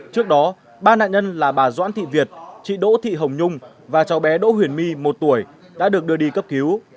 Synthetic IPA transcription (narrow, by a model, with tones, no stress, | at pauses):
t͡ɕɨ˦˥ək̚ɗɔ˨˦ | ɓaː˧na̰ː˧˨nɲə˧nlaː˨˩ɓaː˨˩zwa̰ː˧˥nt̪ʰḭ˧˨vi˨˩ət̚t͡ɕḭ˧˨ɗo̰˧˥t̪ʰḭ˧˨ɦə˨˩wŋ͡mɲʊ˧ŋ͡m | vaː˨˩t͡ɕa˨˦wɓɛ˨˦ɗo̰˧˥ɦwi˧˩ənmi˧mo˨˩t̚t̪u˧˩əj | ɗa̰ː˧˥ɗɨ˨˩ək̚ɗɨ˧əɗi˧kə˦˥p̚ki˨˦w